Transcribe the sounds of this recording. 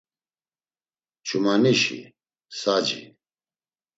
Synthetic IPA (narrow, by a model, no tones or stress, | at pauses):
t͡ʃʰumaniʃḭ | sad͡ʒḭ